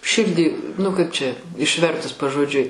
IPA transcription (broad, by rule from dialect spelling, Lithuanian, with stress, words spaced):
ˈʃʲɪrʲdʲiː nʊ kɐɪp t͡ʃʲɛ ɪʃʲˈʋʲɛrtʊs pɐʒoːˈd͡ʒʲʊɪ